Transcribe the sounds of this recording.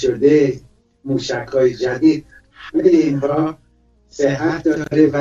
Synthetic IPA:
ʃod̪e | muːʃækʰɒːjed͡ʒæd̪iːd̪̚ | meleinbɒː | seæt̪̚ʰd̪ɒɾevæ

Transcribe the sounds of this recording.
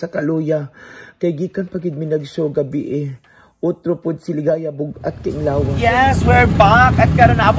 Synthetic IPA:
sɐkɐloːjakɐjɡiːkɐnpɐɡɪd̪̚mɪnɐɡsoɡɐbɪʔɛ | ʔot̪ɾopʊd̪̚sɪlɪɡajabʊɡɐt̪̚kɐʔɪŋlaːwɐjɛswɛɹbakɐt̪̚kɐɾonab

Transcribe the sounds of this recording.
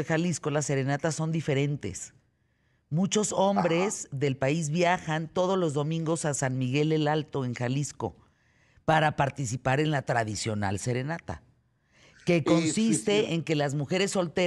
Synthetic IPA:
exalisko̞lase̞ɾe̞nat̪asːo̞nd̪ife̞ɾe̞nt̪e̞̰s | mut͡ʃo̞so̞mbɾe̞zðe̞lpaizβjaxant̪o̞ð̞o̞zlo̞zðo̞mĩŋɡo̞sasanmiɣe̞le̞lalt̪o̞e̞ŋxalisko̞̰ | paɾapaɾt̪isipaɾe̞nlat̪ɾaðisjo̞na̰lse̞ɾe̞nat̪a̰ | ke̞ko̞nsisst̪eeŋke̞lazmuxe̞ɾe̞sːo̞lt̪e

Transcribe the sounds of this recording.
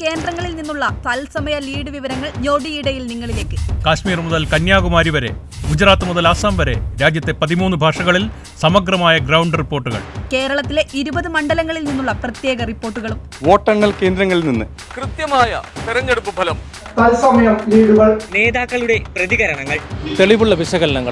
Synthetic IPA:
ke̞ːnd̪rɐŋːɐɭilninːuɭːɐt̪ɐlsɐmɐjɐliːɽɨʋiʋɐɾɐŋːɐɭɲo̞ːɖiiɽɐjilniŋːɐɭile̞ːkːɨkaːɕmiːrmuðɐlkɐnjaːɣumaːɾiʋɐɾe̞̰ | ud͡ʑɐraːt̪ːɐmuðɐlaːsaːmbɐɾe̞̰ɾaːd͡ʑjɐt̪ːe̞pɐðimuːnːɨbʱaːʂɐɣɐɭil | sɐmɐɡrɐmaːjɐɡrɐwɳɖripːo̞ːrʈːuɣɐ̰ɭke̞ːɾɐɭɐt̪ːile̞iɾubɐðɨmɐɳɖɐlɐŋːɐɭilninːuɭːɐprɐt̪je̞ːɡɐripːo̞ːrʈːuɣɐɭum | ʋo̞ːʈːɐɳːɐlke̞ːnd̪ɾɐŋːɐɭilninːɨ | krɨt̪jɐmaːjɐ̰t̪iɾɐɲːeɽupːubʱɐlɐm | t̪ɐlsɐmɐjɐmliːɽuɣɐɭne̞ːðaːkːɐɭuɽe̞prɐðiɣɐɾɐɳɐŋːɐɭt̪e̞ɭiʋuɭːɐʋiɕɐɣɐlɐɳɐŋːɐ̰ɭ

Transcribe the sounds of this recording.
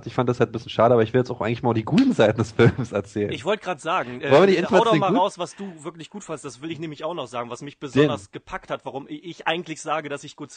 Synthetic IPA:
tɪçfandəd̥ashalt̚mbɪsçjnʃaːɾəʔabɐɪçv̥ɪljɛt͡sʔaʊʔaɪŋ̩lɪçmaːlʊfd̥iɡuːtn̩zaɪtn̩dɛsfɪlmsɛɐt͡sɛːlənɪçv̥ɔltəɡ̥ʁaːtəz̥aːɡŋ̩ʔɛɔlnvɪənɪɪaːdmaːlʁaʊsv̥asd̥uːvɪɐklɪçɡ̥uːtfandəstd̥asv̥ɪlɪçneːmlɪçaʊxnɔχz̥aːɡŋ̩vasmɪçb̥əzɔdɐsɡ̥əpʰakthatv̥aʁʊmɪɪçʔa̰ɪɡŋ̩tlɪçz̥aːɡədasɪçɡ̥uːt

